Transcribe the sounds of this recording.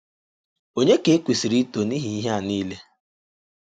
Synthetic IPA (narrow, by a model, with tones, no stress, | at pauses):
o˦ɲe˦ke˨˦kʷi˨si˨ɾi˦to˨ni˦ɦi˨i˦ɦa˨niː˦le˦